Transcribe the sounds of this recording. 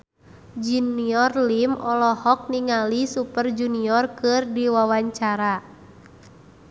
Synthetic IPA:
d͡ʒuniɔrlimɔlɔhɔk̚niŋalisupərd͡ʒuniɔrkɨrdiwawaɲt͡ʃaɾa

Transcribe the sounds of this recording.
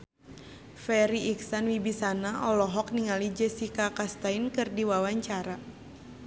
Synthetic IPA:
fɛɾiʔiksanwibisanaʔɔlɔɦɔk̚niŋalid͡ʒɛsikakast̪ainkɨrdiwawaɲt͡ʃaɾa

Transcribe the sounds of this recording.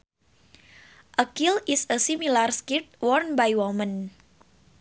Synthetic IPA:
ʔəkilisəsimilarskit̪̚wɔrnbajwɔmən

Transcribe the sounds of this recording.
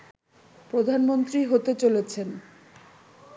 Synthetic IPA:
pɾod̪ʱanmont̪ɾiɦot̪et͡ɕolet͡ɕʰen

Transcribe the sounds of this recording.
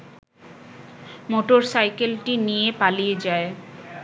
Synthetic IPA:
moʈoɾsajkelʈinijepalijed͡ʑae

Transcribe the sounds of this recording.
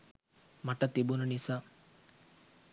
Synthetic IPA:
maʈət̪ibununisaː

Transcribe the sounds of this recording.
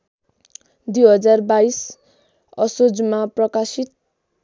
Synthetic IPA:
d̪ujɦʌd͡zarbais | ʌsod͡zmaprʌkasit̪̚

